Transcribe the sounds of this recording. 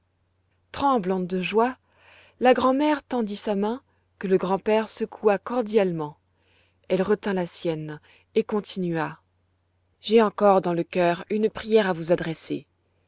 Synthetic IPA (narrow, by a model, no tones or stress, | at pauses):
t̪χɑ̃blɑ̃d̪əʒwa | laɡʁɑ̃mɛʁt̪ɑ̃d̪isamɛ̃ | kələɡʁɑ̃pɛʁsəkʰuakɔʁd̪jalmɑ̃ | ɛlʁət̪ɛ̃lasjɛn | ekɔ̃t̪ʰinɥa | ʒeɑ̃kɔʁd̪ɑ̃ləkʲœʁynpχijɛʁavuzad̪ʁɛsḛ